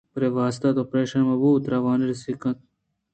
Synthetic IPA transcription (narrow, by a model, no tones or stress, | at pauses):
pɾeʋaːst̪ɐt̪opɾeːʃɐnmɐbuːt̪ɾɐʋɑːniɾsikɐ̃t̪